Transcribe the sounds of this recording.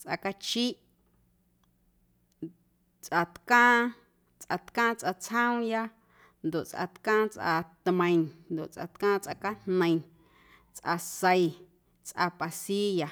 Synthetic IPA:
t͡sʔa̰˧ka˧t͡ʃi˦ʔ | t͡sʔa˧t̪kãː˦ | t͡sʔa˧t̪kãː˦t͡sʔa˧t͡shə̃˦ũ˦ja˦ | nd̪o˨ʔt͡sʔa̰˧˨t̪kãː˦t͡sʔa̰˧t̪mə̃˨j̃nd̪o˨ʔt͡sʔa̰˨t̪kãː˦t͡sʔa˧ka˦nnə̃˨j̃ | t͡sʔa̰˧sə˧i˧ | t͡sʔa̰˧pa˨si˦ja˨

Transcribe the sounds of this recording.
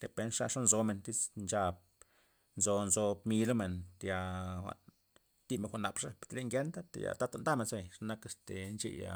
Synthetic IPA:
t̪e˨pe˧nʂa˦˧ʂa˦nzo˧me˨nt̪i˦t͡snt͡ʃa˧b̚ | nzo˧nzo˧mi˧lo˦me˨nt̪e˧ja˧xʷa̰˨ | t̪i˦me˨nxʷa˨na˨pʂa˦pt̪le˧˦ŋɡʲe˦nt̪a˦t̪ḛ˨ja̰˨t̪a˦t̪a˧nd̪a˦me˧nse˧˨ʂa˦na˦ke˧˨st̪e˨nt͡ʃḛ˧ja̰˧

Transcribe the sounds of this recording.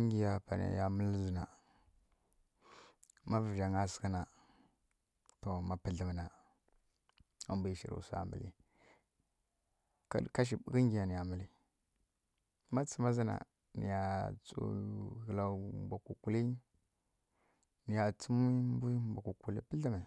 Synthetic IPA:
ŋɡi˨ja˨pa̰˨na̰˨ja˨mə˦lzi˨na˨ | ma˦və˨ʒa˨ŋa˦sə̥˨kə˦na˨ | to˨ma˦pə˦ɮə˨m˨na˨ | a̰˨mbu˦i˦ʃḭ˨ɾṵ˨sa̰˨mbə̰˨lḭ˦ | ka̰˦˨ka˦ʃ̬i˨bkə˦ŋɡi˨ja˨ni˨ja˨mə˦li˦ | ma˦t͡sə˦ma˦zi˦na̰˨ | nḭ˨ja˨t͡so̰˨ɣə˨la˨mbʷa˨ku˨ku˨li˦ | ni˨ja˨t͡sə˦mi˦mbu˦mbʷa˨ku˨ku˨li˦pə˦ɮə˦m˨a˨

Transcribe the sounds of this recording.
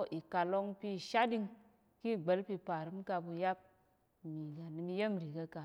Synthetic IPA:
ʔi˨ka˨lo˧ŋpi˧˨ʃa˦di˧ŋ | ki˦˨ɡ͡be˨˦lpi˧pa˨ɾɨ˨˦m˦ka˧bu˧ja˦p̚ | mi˨ɡa˨ni˧mi˧je˦m˨ɾi˨ka˧ka˨

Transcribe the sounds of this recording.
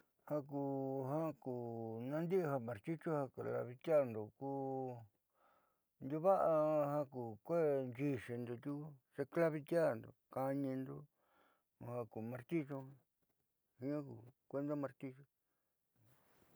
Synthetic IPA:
hã˧k̬u˧˨ɦã˦kuː˨nã˧nd̪i˦ʔɦa˧mã˨ɾt͡ʃ̪i˦t͡ʃo˦ha˧ka˨la̰˧βi˧t̪ja˦˧nd̪o˨kuː˦ | nd̪u˧βa˦ʔa˧hã˧kuː˨kʷe˦nd͡ʒi˧ʂe˧nd̪o˧t̪ʲu˦u˦ʐe˧kla˦βi˧t̪ʲja˦˨nd̪o̰˨ka˧ɲĩ˧nd̪o˧ | hã˧ku˨mã˧ɾt̪i˦t͡ʃo˧ | hi˧˦ã˦kṵ˧˨kʷe˧˦nd̪a˦mã˧ɾt̪i˧t͡ʃo˧

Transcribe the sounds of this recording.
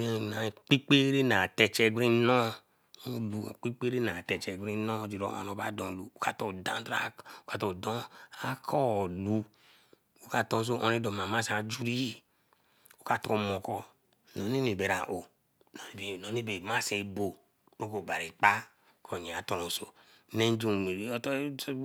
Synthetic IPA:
e˦˨na˨k͡pi˦k͡pe˦ɾe˦na˨te˨t͡ʃe˨ɡɾi˦nɔ˦˨˦ | lṵ˨k͡pi˦k͡pe˦ɾe˦na˨tɛ˨t͡ʃe˨ɡɾi˦nɔ˦˨d͡ʒi˨ɾo̰˨o̰˨no˨ba˦dɔ̃˨lu˨o˦ka˦to˦˨dã˦n˦ta˦o˦ka˨to˨dɔ˦a˦kʰɔ˦˨lu˨ | o˦ka˨to˦s̬o˦ʔo̰˨ni˦do˨ma˨ma˦sa˨d͡ʒu˦ɾi˦i˦ | o˦ka˨to˨˦ko˦˨mo˨kɔ˦ | no˨ni˦mi˨be˨ɾa̰˨ʔo˨ | no˨ni˦be˨no˨ni˦be˨ma˦se˨˦bo˨ | ɾo˦ko˨ba˨ɾi˨k͡pa˦ | kʰo˨ɲe˨a˨to˨no˨so̰˨˦ | ne˦n˦d͡ʒu˦˨i˨˦t

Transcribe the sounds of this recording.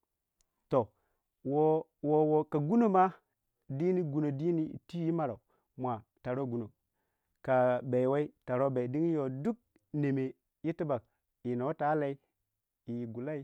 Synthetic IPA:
to˨ | wo˨ | wo˨wo˨ka˨ɡu˦no˦˨ma˦ | di˦ni˦ɡu˨no˨di˦nḭ˦˨ti˦ji˦ma˦ɾa˨u˨ | mʷa˨ta˨ɾo˦ɡu˨no˨ | ka˨ba˨jwa˦i˦ta˨ɾo˦ba˨i˨di˦ŋi˦jo˨du˦k̚ | ne˨me˨ | ji˦ti˦ba˨k̚ | i˨no˨˦ta˦la˨i˦ | i˨jɡu˨la˦i˦

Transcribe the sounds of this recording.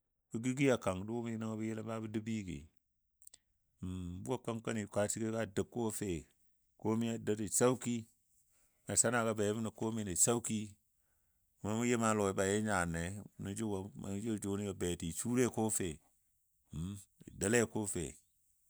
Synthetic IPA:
bi˦ɡi˦ɡi˦a˨ka˨ŋ˨do˦mi˦na˦ŋa˦bi˦je˦la˦ba˦bi˦di˦bi˦kḛ˨ | bu˦a˦ka˦ŋka˦ni˨ka˨˦t͡ʃi˦ke˦ka˦də˨kːo˦fe˨ | ko˦mi˦ja˦˨da˦ti˨sa˦u˦ki˦ | ma˨sa˦na˨ka˨be˨˦mi˦na˨ko˦mi˦ne˨sa˦wki˦˨ | ma˦mu˦je˦ma˦lo˨i˨˦ba˨je˦ɲa˨ne˨˦nu˦d͡ʒu˦wa˨ma̰˨˦d͡ʒo˦˨d͡ʒo˨˦ni˦a˨be˨ti˨t͡ʃu˦ɾe˦ko˦fe˨ | ḭ˨da˦le˦˨koː˦fḛ˨

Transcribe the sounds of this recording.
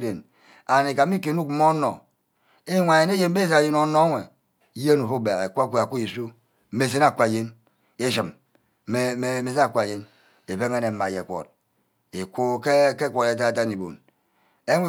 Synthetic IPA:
de˨n | a˨ne˨ka˨m˦i˦k̬e˨˦nu˦k̚mo˦nːo̰˨ | e˦ŋʷa˨je˨˦ne˦je˦m˦be˦za˨je˦no˨˦no˦ŋʷe˨˦ | je˦nu˨fo˦be˨ɣe˨kʷkʷu˦a˨ku˦i˨su˦ | me˨s̬e˦na˨kʷa˨je˦n | e˦ʃi˨m | e˦e˨me˨se˦na˨kʷa˨je˦n | e˨be˦ŋe˦ne˨˦ma˨je˨kʷo̰˨t̚ | e˨ku˦ke˦ke˦kʷo˨te˨ta˦a˨t̬a˦ni˨bo̰˨n | e˦ŋʷe˦

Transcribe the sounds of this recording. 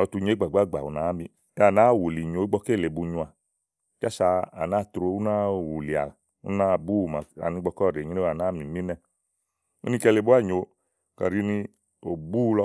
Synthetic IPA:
ɔ˨˧˨tu˧ɲe˨˦ɡ͡ba˨ɡ͡ba˦˨ɡ͡ba̰˨u˨na˨˦mi˧˦ | a˨na˨˦˨wu˨li˨ɲo˨˦ɡ͡bɔ˧ke˦˨le˨bu˧ɲũ˧a˨ | t͡ʃa˦sa˧a˨na˦˨tɾo˧˦u˦na˦wu˨li˨a̰˨ | ṵ˦na˦bu˦˨ma˨a̰˨nĩ˧˦ɡ͡bɔ˧kɔ˦˨ɾe˨ɲĩ˦e˦˨a˨na˨˦mĩ˨mi˦nɛ˦˨ | ṵ˦nĩ˧kɛ˧le˨bu˦a˦˨ɲo˨˦ | ka̰˨ɾi˦ni˧ | o˨bu˦lɔ˧˦

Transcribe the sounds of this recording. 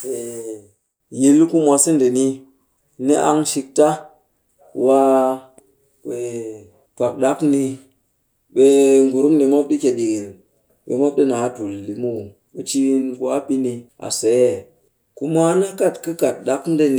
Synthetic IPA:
ɓe˨ | ji˨lku˦mʷa˧si˦nde˨ni˦ | ni˦ʔa˧ŋʃi˧k̚ta˦ | wa˦ | we˨ | pa˨k̚ɗa˦kni˧ | ɓe˦ŋɡu˨ɾu˦mni˨mo˦p̚ɗi˦ke˨ɗi˨ɡi˨l | ɓḛ˨mo˦p̚ɗi˦na˨˦tu˨lːi˨mu˦˨ | ɓe˨t͡ʃi˦nku˦a˦ɓi˦ni˧a̰˨se˨˦e˦˨ | ku˦mʷa˦na˦ka˦˨tkɨ˦ka˨t̚ɗa˦kn˦de˦n˦

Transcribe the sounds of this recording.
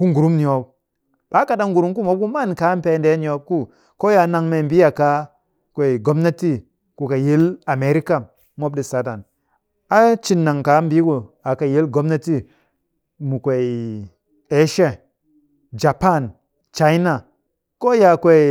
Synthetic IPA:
ku˦ŋɡu˨ɾu˦mni˨o˨b̚ | ɓa˦ka˨da˦ŋɡu˨ɾu˦mku˦mo˦ku˦ma˦˨nka˨˦m˦pe˨˦nde˦ni˨o˨˦b̚ku˦ | ko˦ja˨na˨ŋme˨mbi˦a˨ka˦ | kʷe˨i˨ɡo˦mna˦ti˦ | ku˨ka˨je˦la˨me˨ɾi˦ka˦˨ | mo˦b̚ɗi˨sa˨˦da˨n | a˨t͡ʃi˦nːa˨ŋka˨˦m˦bi˦ku˨a˨ka˨je˦lɡo˦mna˦ti˦ | mu˨kʷe˨ | e˨˦ʃe˦ | d͡ʒa˨pa˦˨n | t͡ʃa˦i˦na˨ | ko˦ja˨kʷe˨

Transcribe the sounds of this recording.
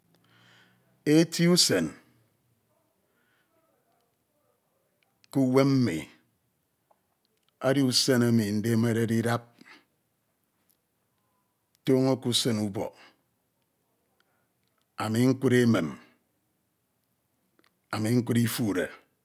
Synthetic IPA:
e˦ti˦u˦se˨n | ku˦we˦mm̩˦mḭ˨ | a˦di˦u˦se˦na˦mi˨n̩˦de˦me˦ɾe˦di˦da˦p̚ | toː˦ŋo˦ku˦sɨ˦nu˦bɔ̰˨ | a˨mi˨ŋ̩˦kʷu˦ɾe˦me˨m | a˨mi˨ŋ̩˦kʷu˦ɾi˦fu˦˨ɾe˨

